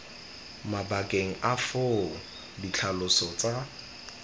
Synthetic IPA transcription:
mabakʼeŋ̩ʔafo | dit͡ɬʰalʊsɔt͡sʼa

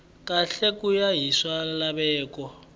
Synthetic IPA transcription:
kʼaɬekʼujaɦiswalaβɛːkɔ

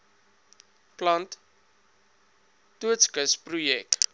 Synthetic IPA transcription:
klɐnt | uətskəsprujɛk̚

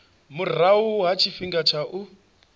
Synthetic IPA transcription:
mur̤auɦat͡ʃʰifiŋɡat͡ʃʰaʔu

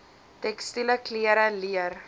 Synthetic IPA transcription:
tɛkstiləkliəɾəliər

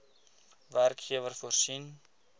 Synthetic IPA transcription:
værkχiəvərfursin

